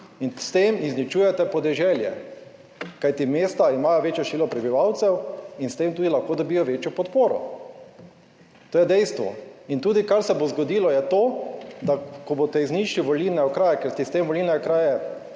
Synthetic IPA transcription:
inst̪emiznit͡ʃuːjɛt̪ɛpɔd̪ɛʒɛljɛ̰ | kajt̪imeːst̪aimaːjɔʋeːt͡ʃjɔʃʋiːlɔpɾɛbiʋawt̪sɛwinst̪emt̪uːd̪ilaxkoːd̪ɔbiːjɔʋeːt͡ʃjɔpɔt̪poːɾɔ̰ | t̪oːjɛd̪ɛjst̪ʋɔ̰int̪uːd̪ikaɾsɛbozɡɔd̪iːlɔjɛt̪oːd̪akɔboːt̪ɛizniʃliʋolilnɛɔkɾaːjɛkɛɾst̪ist̪emʋɔlilnɛɔkɾaːjɛ

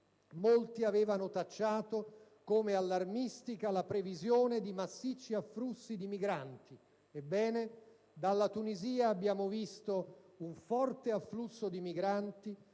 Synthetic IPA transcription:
molt̪iaveːvanot̪at͡ʃːaːt̪o | komealːarmist̪ikalapɾevizjoːned̪imasːit͡ʃːiafːlusːid̪imiɡɾant̪i | ebːɛːne | d̪alːat̪uniziːaːbːjaːmovist̪ouɱfɔrt̪eafːlusːod̪imiɡɾant̪i

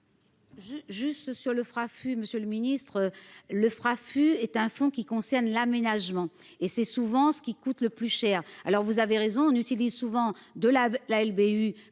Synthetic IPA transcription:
ʒʒyst̪syʁləfχafyməsjøləminist̪χøləfχafyɛt̪ɛ̃fɔ̃kʲikɔ̃sɛʁnlamenaʒmɑ̃ | esɛsuvɑ̃sə̥kʲikut̪ləplyʃɛːʁalɔʁvuzaveʁezɔ̃ɔ̃nyt̪ilizsuvɑ̃d̪əllaɛlbey

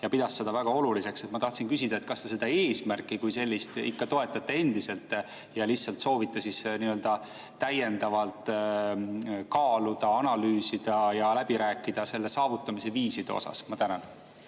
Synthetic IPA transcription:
jɑpid̪̥ɑsːe̞d̪̥ɑvæɡ̥ɑo̞lulise̞kse̞t̪mɑt̪ɑht̪sinkysid̪ɑe̞t̪̚kɑst̪e̞se̞d̪̥ɑe̞ːsmærkːˑikujse̞lʲːist̪ḭkːɑt̪o̞e̞t̪ːˑɑt̪ːe̞e̞nd̪̥ise̞lt̪ˑ | jɑlihtsɑlt̪so̞ːvit̪ːˑɑsisniø̞ld̪̥ɑ | t̪æje̞nd̪̥ɑvɑlt̪ˑ | kɑːlud̪̥ɑɑnɑlyːsid̪̥ɑjɑlæbiɾæːkːˑid̪̥ɑse̞lːe̞sɑːvut̪ːˑɑmise̞viːsid̪̥ḛo̰sɑ̰smɑt̪ænɑn

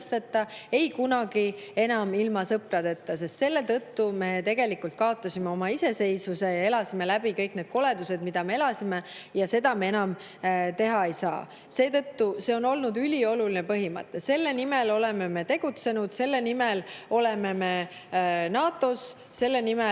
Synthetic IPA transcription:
st̪et̪ːˑɑe̞jkunɑɡ̥ie̞nɑmilmɑsɤprɑd̪e̞t̪ːɑsest̪se̞lːe̞t̪ɤt̪ːume̞t̪e̞ɡe̞likult̪̚kɑo̞t̪ːˑɑsʲime̞o̞mɑise̞se̞jsuse̞jɑe̞lɑsimelæb̥ikɤjkne̞d̪̥ko̞le̞d̪̥use̞d̪mid̪̥ɑme̞elɑsime | jɑse̞d̪ɑme̞e̞nɑm | t̪e̞ɦɑe̞jsɑ̰ː | se̞ːt̪ɤt̪ːuse̞o̞no̞lnud̪ylʲio̞lulinepɤɦimɤ̰t̪ːˑese̞lːenime̞lo̞le̞me̞me̞t̪e̞ɡ̥ut̪se̞nud̪̥se̞lːenimelo̞le̞meme̞ | nɑːt̪ːˑo̞s | se̞lːe̞nime

